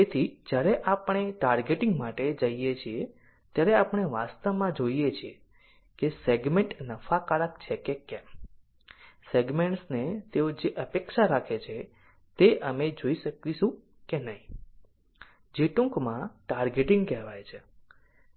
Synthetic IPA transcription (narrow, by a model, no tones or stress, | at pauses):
t̪et̪ʰid͡ʒjaɾɛʔapɳ̃eʈaɾɡeʈɪ̃ŋɡmaʈed͡ʒəijet͡ʃʰie | t̪jaɾɛapɳ̃eʋast̪əʋmãd͡ʒoijet͡ʃʰie | keseɡmẽɳʈnəfakaɭəkt͡ʃʰekekɛ̃m | seɡmeɳʈsnet̪eod͡ʒeʔəpekʃaɾakʰet͡ʃʰe | t̪eʔəmed͡ʒoiʃəkʋiʃũ | kenəɦĩ | d͡ʒeʈũkmãʈaɾɡeʈɪ̃ŋɡkɛɦʋajt͡ʃʰe